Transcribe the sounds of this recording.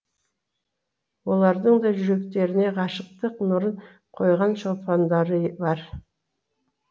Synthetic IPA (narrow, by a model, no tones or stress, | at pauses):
wo̞lˠɑɾd̪əɴd̪ɑʒʏɾe̞kt̪e̞ɾɪne̞ʁɑʃəq̚t̪əqnʊɾən | qʰo̞jʁɑnʃopɑnd̪ɑɾəbɑɾ